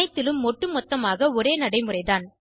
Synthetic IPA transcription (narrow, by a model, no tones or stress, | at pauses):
ɐɪt̪ːɪlɯmːɔʈːɯmɔt̪ːɐmaːɣɐɔɾeːnɐɽɐɪmɯrɐɪðaːn